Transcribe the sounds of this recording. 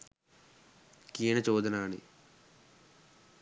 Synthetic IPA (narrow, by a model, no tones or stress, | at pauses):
kiːɳɐt͡ʃoːd̪ɐnaːnḭ